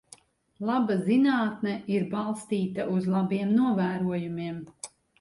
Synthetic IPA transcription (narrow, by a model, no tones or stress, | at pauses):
lˠabazinaːt̪nɛiɾbalˠst̪iːt̪aʔuzlˠabiɛmnuɔvæːɾuɔjumiɛm